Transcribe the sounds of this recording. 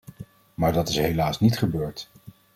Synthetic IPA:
maːɹdɑtɪsɦelaːsnitχəbøːɹt

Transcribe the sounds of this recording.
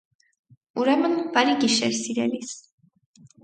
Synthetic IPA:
uɾɛmɯnbaɾiɡʲiʃɛ̰ɾsiɾɛlis

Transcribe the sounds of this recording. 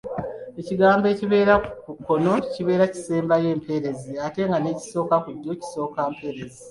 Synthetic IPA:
e̞ciɡaːmbe̞ːciβe̞ːɾakukːo̞no̞ciβe̞ːɾaci̥seːmbaje̞ːmpʰe̞ɾe̞ziate̞ŋɡane̞ːci̥so̞ːkakuɟːo̞ci̥so̞ːkaːmpʰe̞ːɾe̞zi

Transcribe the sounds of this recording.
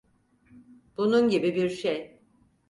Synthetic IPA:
b̥ununɟibibiɾʃej

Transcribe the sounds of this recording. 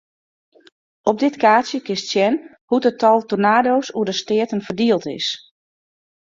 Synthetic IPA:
ɔp̚dɪtkaːsjəkɪstsjɛn | hutətʰɔlˠtonaːdoːsuədəstɪətənfərdiəlˠtɪ̰s

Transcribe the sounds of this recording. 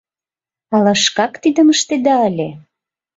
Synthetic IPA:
ɑlɑʃkɑkt̪id̪əməʃt̪ed̪ɑəlʲe

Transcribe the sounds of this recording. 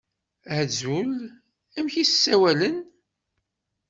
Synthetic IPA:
zul | æmçissːæwælən

